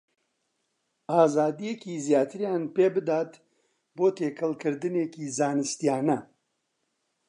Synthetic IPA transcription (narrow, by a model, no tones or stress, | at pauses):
aːzaːd̪ijekiːzjaːt̪ʰɨɾjaːnpeːbɨd̪aːt̪ | boːt̪ʰeːkʰɨlkʰɨɾd̪ɨneːkiːzaːnɨst̪ijaːnɐ